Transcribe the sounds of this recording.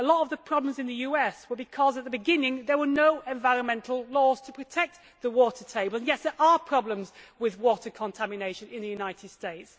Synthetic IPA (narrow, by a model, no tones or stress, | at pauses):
əlɔtəvðəpʰɹ̥ɑblə̃mzɨ̃nðɨjʉɛswə˞bɨkʰɒzət̪̚ðəbɨɡɪ̃nɪ̃ŋðə˞wənoʊʔɛ̃ɱvaɪɹə̃nmɛ̃ntʰˡl̩ˠlɔz̥tʰəpʰɹ̥ɨtʰɛk̚t̪ | ðəwɔˑtʰətʰeɪbl̩ˠə̃njɛtðə˞ʔəpʰɹ̥ɑblə̃mzwɪðwɔˑtə˞kʰə̃ntʰæmɨneɪʃɨ̃nɪ̃nðɨjʉnaɪtʰɪd̥steɪts